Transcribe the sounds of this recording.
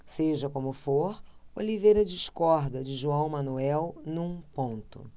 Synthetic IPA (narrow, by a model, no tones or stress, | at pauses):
seʒɐkõmʊfoɾolivejɾɐd͡ʒiʃkɔɾd̪ɐd͡ʒɪʒuɐ̃w̃mɐ̃nuɛwnũpõnt̪ʊ̰